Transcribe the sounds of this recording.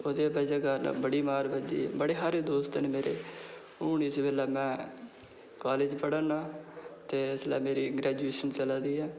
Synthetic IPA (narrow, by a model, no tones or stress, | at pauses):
oːd̪eːpɛːd͡ʒeːɡəɾ̰bəɽiːmaːɾbəd͡ʒḭːbəɽeːɦaːɾeːd̪oːst̪ənmeːɾeː | uːniɪsbeːlɛːmɛ̃ː | kaːleːd͡ʒpəɽənaːt̪eːɪslɛ̰ːmeːɾiːɡɾɛːd͡ʒueːʃənt͡ʃəlaːd̪iːɦɛː